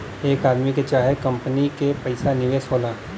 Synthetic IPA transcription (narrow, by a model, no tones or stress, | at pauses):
eːkaːd̪miket͡ʃaːɦekɐ̃mpənikepɐɪsanɪʋeːsɦoːlaː